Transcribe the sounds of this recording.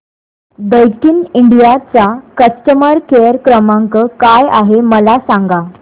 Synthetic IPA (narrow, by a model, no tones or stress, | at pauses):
d̪əjkiːniɳɖijat͡sakəsʈəməɾkejəɾkɾəmaŋkəkaja̰ɦeməlasaŋɡa